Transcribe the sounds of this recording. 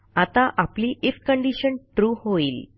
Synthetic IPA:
at̪aʔapliːʔefkəɳɖiɕənʈɾuːhoiːl

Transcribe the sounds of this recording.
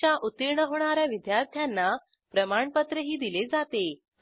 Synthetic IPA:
jaʔut̪iɾɳəɦoɽ̃aɾjaʋid̪jaɾt̪ʰjanːa | pɾəmaɳpət̪ɾəɦiːd̪iled͡zat̪e

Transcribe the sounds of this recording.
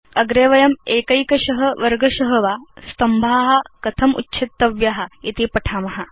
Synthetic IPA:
ɐɡɾeːʋɐjɐmeːkɐjkɐɕɐɦɐ̆ʋɐɾɡɐɕɐɦɐʋaːst̪ɐmbʱaːɦɐkɐt̪ʰɐmṵtːɕʰit̪ːɐʋjaɦɐit̪ipɐʈʰaːmɐɦa

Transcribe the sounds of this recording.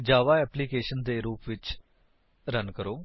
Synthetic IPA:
d͡ʒaːʋaːɛːpliːkeːʃənd̪eːɾuːpʋɪt͡ʃ | ɾənkəɾoː

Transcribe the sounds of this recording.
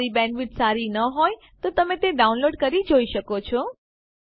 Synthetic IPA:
ɾibɛnʋiʈsaɾinəɦoj | t̪ot̪əmẽt̪eɖaunloɖkəɾid͡ʒoiʃəkot͡ʃʰɔ

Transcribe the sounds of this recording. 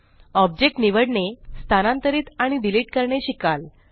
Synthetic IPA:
ɔb̚d͡ʑek̚ʈniʋəɽɳest̪ʰanãnt̪əɾiːt̪aɽ̃iɖiliːʈ̚kəɾɳeɕikal

